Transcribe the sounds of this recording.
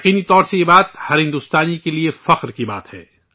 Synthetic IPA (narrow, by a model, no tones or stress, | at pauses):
jɐqiːnit̪ɔːɾsejebaːt̪hɐɾɦɪ̃nd̪ʊst̪aːnikeliefɐqɾkiba̰ːt̪hɛ̰ː